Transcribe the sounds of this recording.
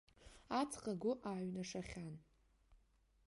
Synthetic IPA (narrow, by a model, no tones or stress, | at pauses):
at͡sʰqʼaɡʷʊʔaɥnaʂaχʲan